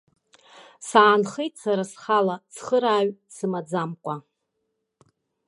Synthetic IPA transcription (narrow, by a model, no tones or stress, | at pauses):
saːnχejtsaɾasχalat͡sʰχəɾaːɥsɨmad͡zamkʷʼa